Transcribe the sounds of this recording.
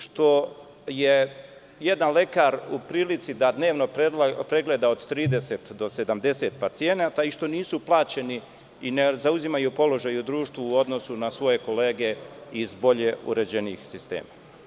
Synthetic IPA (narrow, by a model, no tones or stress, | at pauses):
ʃt̪o̞ | je | jed̪anle̞kaɾupɾiːlit̪sid̪ad̪ne̞ːʋno̞pɾeɡled̪aod̪t̪ɾiːd̪e̞set̪d̪o̞se̞d̪amd̪e̞se̞t̪pat̪sije̞nat̪aiʃt̪o̞niːsuplˠaːt͡ɕe̞ni | inezauzimajupo̞lo̞ʒajud̪ɾuːʃt̪ʋuːo̞d̪no̞sunasʋo̞je̞ko̞leːɡe̞izbo̞ʎe̞ṵɾe̞d͡ʑe̞niːxsist̪e̞̰ːma